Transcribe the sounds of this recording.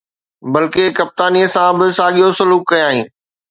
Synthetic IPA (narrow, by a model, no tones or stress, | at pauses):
bɐlkekɐp̚t̪aːniəsãbɪsaːɠijosʊluːkːɐj̃aːɦĩː